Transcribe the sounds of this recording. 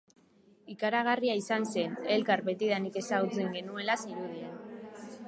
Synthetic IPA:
ikaɾaɣ̞ariaisanse̞ne̞lkaɾbe̞t̪iðanike̞saɣut͡seŋɡe̞nue̞lasiɾuð̞ien

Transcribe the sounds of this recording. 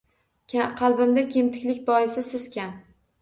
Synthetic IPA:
qʰɑlˠbɪmd̪akʲʰe̞mt̪ʰɪ̥kʲlɪkʲbɒjɪsɪsɪz̥kʲʰan

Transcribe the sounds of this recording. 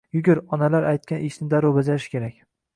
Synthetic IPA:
jʊɡʲɪɾɒnalaɾʔajt̪̚kʲanʔɪʃnɪd̪aɾobazaɪʃkʲʰe̞ɾakʲ

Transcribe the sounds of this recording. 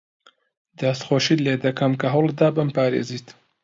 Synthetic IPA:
d̪ast̪xoːʃiːleːd̪ɐkʰɐmkɐɦɐwlˠd̪aːbɨmpaːɾḛːziːt̪

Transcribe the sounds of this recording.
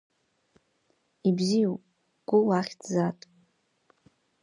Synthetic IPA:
ibzijupʼ | ɡ̥ʷʊwaχʲtʰd͡zatʼ

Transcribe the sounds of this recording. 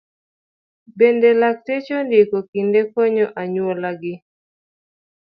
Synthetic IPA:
bendelak̚tet͡ʃondɪkɔkindekoɲɔʔaɲwɔlaɡɪ

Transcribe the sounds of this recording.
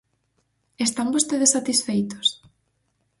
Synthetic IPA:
est̪ambost̪eðesːat̪isfejt̪o̥s

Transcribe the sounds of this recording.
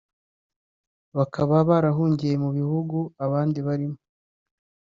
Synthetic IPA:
βakʰaβaβaɾaɦuːɲɟije̞muβihuɡuaβaːndiβaɾimo

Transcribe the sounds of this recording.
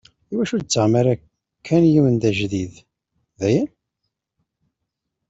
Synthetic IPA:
iwæʃʊɾt͡sːəʁmaɾa | kʰːænjiwənd̪æʒðið | ðæjæn

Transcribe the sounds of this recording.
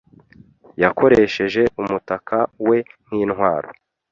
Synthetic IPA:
jakʰo̞ɾe̞ʃe̞ʒe̞ʔumutakʰawe̞n̥iːnhwaːɾo̞̰

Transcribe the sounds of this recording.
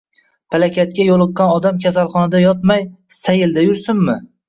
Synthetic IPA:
pʰalakʲat̪̚kʲajolˠɨq̚qɑnɒd̪amkʲʰasalˠχɒnad̪ajɒt̪̚majsajɪld̪ajʊɾsɪmːɪ

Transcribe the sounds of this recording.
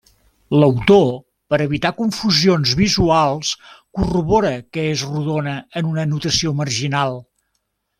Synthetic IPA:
ləwt̪o | pəɾəβit̪akuɱfuzionzβizualˠskuruβoɾəkəezruðonəənunənut̪əsiomərʒinalˠ

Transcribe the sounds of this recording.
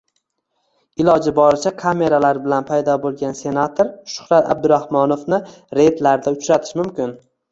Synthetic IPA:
ɪlɒd͡ʒɪbɒɾɪt͡ʃʰakʰame̞ɾalaɾbɪlanpʰajd̪ɒbolˠɡʲanse̞nat̪ʰoɾʃʊ̥hɾat̪a̰b̚d̪ʊɾahmɒnofnɪ | ɾe̞t̪laɾd̪aʊt͡ʃɾat̪ʰɪ̥ʃmʊmkʲɪn

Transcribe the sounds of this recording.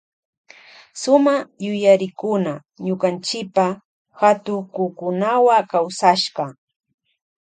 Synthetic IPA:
sʊmajʊjaɾɪkʊna | ɲʊkant͡ʃɪpa | hat̪ʊkʊkʊnawakawsaʃɢɑ

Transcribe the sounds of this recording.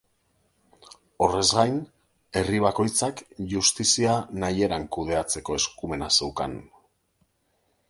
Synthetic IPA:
o̞re̞zɣajn | e̞riβ̞ako̞jt͡sakʝust̪isianaje̞ɾaŋkuð̞e̞at͡se̞ko̞e̞skume̞nase̞wka̰n

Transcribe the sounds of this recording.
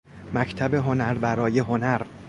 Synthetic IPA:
mæcʰt̪ʰæbeɦonæɾbæɾɒːje̞ɦonæɾ

